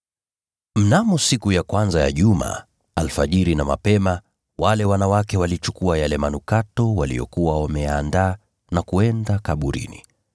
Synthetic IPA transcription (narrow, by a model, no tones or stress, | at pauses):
m̩namɔsikujakwanzaja̰ʄuma̰ | alfaʄiɾinama̰pɛma | walɛwanawakɛwalit͡ʃukuajalɛmanukatɔwalḭjɔ̰kuwawamɛjaːndaː | nakuɛndakaɓuɾḭnḭ